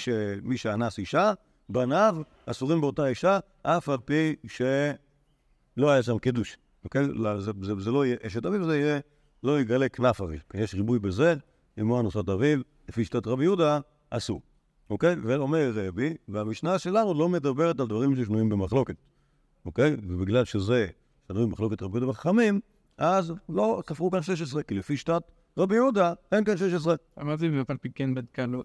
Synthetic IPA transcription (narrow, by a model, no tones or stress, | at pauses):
ʃemiʃeanasiʃa | banav | asuʁimbeo̞taiʃa | ʔafalpiʃe | lo̞ajaʃ̬amkiduʃ | okejzezezeloijeʔeʃetavivzeije | lo̞iɡaleknafavḭlpijeʃʁibujbeze | imoanosataviv | lefiʃt̪atʁabijudaː | su | oke̞jveomeʁezeʁabiveamiʃnaʃe̞lanulo̞med̪abeʁetaldvaʁimʃeʃnuimbemaχlo̞ke̞t | oke̞jvebiɡlalʃeze̞ | ʃanuimmaχlo̞ketʁabjud̪abeχaχamim | ʔazlo̞safʁukanʃeʃ̬es̬ʁekilefiʃtat | ʁabijudaenkanʃ̬eʃ̬es̬ʁeamaʁt̪iepalpikenbad̪kalu